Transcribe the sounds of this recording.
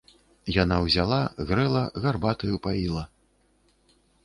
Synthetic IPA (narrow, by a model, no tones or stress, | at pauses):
janawzʲalˠaɣɾɛlˠɐɣarbat̪ɐjupailˠɐ